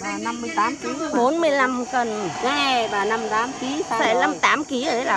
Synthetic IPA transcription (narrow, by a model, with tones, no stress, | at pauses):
aː˨˩na˧mːɨ˧əjt̪aː˨˦mki˨˦˧ɓo˨˦nmɨ˧əjla˧mkə˨˩na˨˦˧vaː˨˩na˧mt̪aː˨˦mki˨˦˧a˨˧˩na˧mt̪aː˨˦mki˨˦ə˨˩˦la˨˩